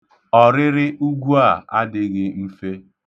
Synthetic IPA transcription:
ɔ˨ɾɪ˦ɾɪ˦ʔu˦ɡʷu˦a˦˨a˦dɪ˦ɣɪ˦m̩˦fe˦

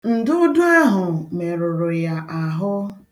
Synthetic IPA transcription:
n̩˨dʊ˦dʊ˦a˦ɦʊ˨me˨ɾʊ˨ɾʊ˨ja˨ʔa˨ɦʊ˦

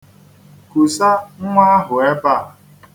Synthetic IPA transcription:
ku˨sa˦ŋ̩˦ŋʷa˦ɦʊ˨e˦ba˦˨

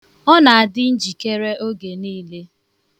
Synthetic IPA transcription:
ɔ˦na˨a˨dɪ˦n̩˦d͡ʒi˨ke˦ɾe˦o˦ɡe˨niː˦le˦

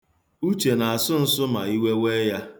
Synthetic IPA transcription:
u˦t͡ʃe˨na˨a˨sʊ˦n̩˦sʊ˦ma˨i˦we˦we˦ja˦

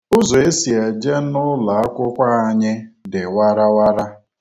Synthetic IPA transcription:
ʊ˦zo˨e˦si˨a˨d͡ʒe˦nʊ˦la˨a˦kʷʊ˦kʷa˦a˨ɲɪ˦dɪ˨wa˦ɾa˦wa˦ɾa˦

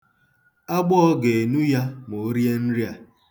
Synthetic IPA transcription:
a˦ɡ͡bɔ˦ɔ˦ɡe˨e˨nu˦ja˦m˨o˨o˦ɾe˦n̩˦ɾi˦a˨

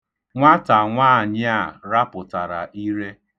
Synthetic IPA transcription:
ŋʷa˦ta˨ŋʷaː˦˨ɲɪ˦a˦˨ɾa˦pʊ˨ta˨ɾa̰˨ʔi˦ɾe˦

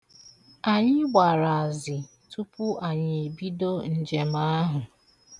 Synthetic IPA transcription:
a˨ɲɪ˦ɡ͡bʷa˨ɾa˨a˨zɪ˨ | tu˦pʊ˦ʔa˨ɲɪ˨e˨bi˦do˦n̩˨d͡ʒe˨ma˦a˦ɦʊ˨

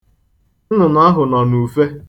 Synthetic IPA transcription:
nʊ˨n˦a˦ɦʊ˨nɔ˨nu˨fe˦

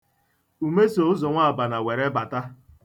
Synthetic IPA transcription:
u˨me˦so˨ʊ˦zɔ˨ŋʷa˦a˨ba˨na˨we˨ɾe˦ba˨ta˦

